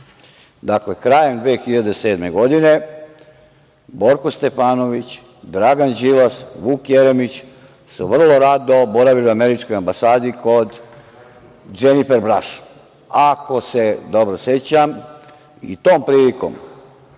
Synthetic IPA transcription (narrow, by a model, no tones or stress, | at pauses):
d̪akle̞kɾaːje̞md̪ʋeːxiʎad̪ese̞ːd̪me̞ɡo̞d̪ine̞ | bo̞ɾkost̪e̞faːno̞ʋit͡ɕ | d̪ɾaɡand͡ʑilasʋuːkjeɾemit͡ɕ | suʋr̩lo̞ɾad̪o̞bo̞ɾaʋiliuame̞ɾit͡ʃko̞jambasaːd̪ikʰo̞d̪ | d͡ʒenifeɾbɾaʃ | ako̞se̞d̪o̞bɾoset͡ɕam | ḭt̪o̞ːmpɾiːliko̰m